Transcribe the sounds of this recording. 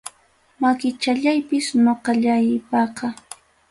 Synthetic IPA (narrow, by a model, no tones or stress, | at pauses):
makɪt͡ʃaʎajpɪsnoqɑʎajɪpɑqɑ